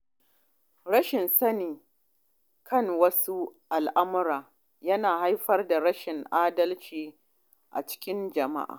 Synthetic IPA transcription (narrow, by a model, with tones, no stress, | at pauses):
ɽɐ˦ʃɪ˨nsɐ˦niː˨ | kʰɐ˦˨ŋwɐ˦su˦ʔa˨lʔa˦mʊ˦ɾaː˨ | jɐ˦naː˨ha˦jɸɐ˦rda˨ɽɐ˦ʃɪ˨ŋʔaː˦dɐ˦lt͡ʃiː˨ | ʔa̰˨t͡ʃɪ̥˦kʲɪ˦nd͡ʒɐ˨ma̰˦ʔa̰ː˨